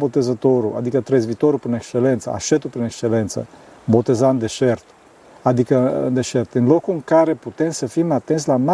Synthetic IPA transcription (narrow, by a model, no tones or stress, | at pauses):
bot̪ezət̪oɾua̰d̪ikət̪ɾezvit̪oɾupɾinekst͡ʃelent̪sə̰a̰ʃet̪upɾinekst͡ʃelent̪sə̰bot̪ezaɨnd̪eʃert̪ | ad̪ikəɨ̰nd̪eʃert̪ɨnlokuɨŋkaɾe̞put̪emsəfimat̪e̞nt̪s̬ʲlama